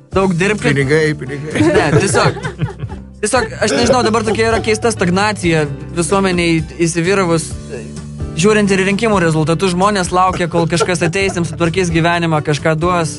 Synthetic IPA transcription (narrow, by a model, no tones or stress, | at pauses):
d̪ɐʊkd̪ʲɪɾʲpʲkʲɪnʲɪɡɐɪpʲɪnʲɪɡɐɪnʲɛt̪ʲiɛsʲoːk | t̪ʲiɛsʲoːkɐʃnʲɛʒʲɪnɐʊd̪ɐbɐrt̪oːkʲɛiɾɐkʲɛɪst̪ɐst̪ɐɡnɑːt̪t͡s̪ʲɪjɛ | ʋʲɪsuɔmʲɛnʲɛɪisʲɪʋʲiːɾɐʋʊs | ʒʲuːɾʲɪnt̪ɪɾɾʲɪŋʲkʲɪmuːɾʲɛzʊlˠt̪ɐt̪ʊʒmoːnʲeːslˠɐʊkʲɛkoːlˠkɐʃkɐsɐt̪ʲɛɪsʲɪmsʊt̪ʋɐɾʲkʲeːs̬ɡʲiːʋʲæːnʲɪmɑkɐʃkɑːd̪uɔs